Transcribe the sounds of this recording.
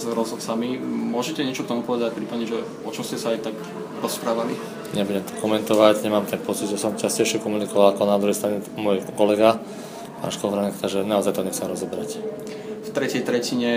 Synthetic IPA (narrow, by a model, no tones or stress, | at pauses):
zɾɔzɦɔt̪samimʊɔʒɛcɛɲɪɛt͡ʃɔk̚t̪ɔmupɔʋɛd̪acpɾiːpadɲɛʒɛ | ɔt͡ʃɔmscɛsaajt̪ak | ɾɔspɾaːʋali | ɲɛbuɟɛmt̪ɔ̥kɔmɛnt̪ɔʋaɟɲɛmaːmt̪ɛnpɔt͡sid̪ʒɛsɔmcascɛjʃɪɛkɔmunikɔʋalakɔnad̪ɾuɦɛjst̪ɾaɲɛmɔjkɔlɛɡa | pa̰nʃkɔvɾankt̪aʒɛnaɔzajt̪ɔɲɛxt͡sɛmɾɔzɔbɛɾac | ft̪ɾɛcɛjt̪ɾɛciɲɛ